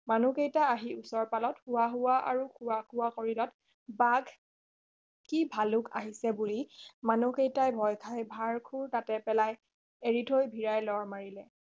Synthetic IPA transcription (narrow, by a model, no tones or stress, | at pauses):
manukejtaːɦiusɔɹpalɔthʊwaɦʊwaʔa̰ɹukʰʊwakʰʊwakoɹilɔt | baɡʱ | kibʱalʊka̰ɦisɛbulimanukejtajbʱɔjkʰajbʱaɹkʰuɹtatɛpɛlaj | eɹidʰʱojbʱiɹajlɔɹmaɹilɛ